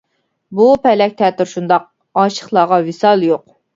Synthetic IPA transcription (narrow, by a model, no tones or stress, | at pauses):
bupʰɛlɛk̚ʲt̪ʰɛːt̪yɾʃund̪ɑq̚ | ɑːʃə̥χlˠɑːʁɑwɪsɑlˠjoq̚